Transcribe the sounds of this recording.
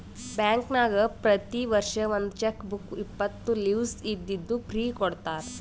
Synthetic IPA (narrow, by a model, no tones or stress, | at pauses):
bjaːŋknaːɡɐpɾɐt̪iʋɐɾʂɐʋond̪ut͡ʃekːbukipːɐt̪ːuliʋsid̪ːid̪ːupɾiːkɔɽt̪aːɾe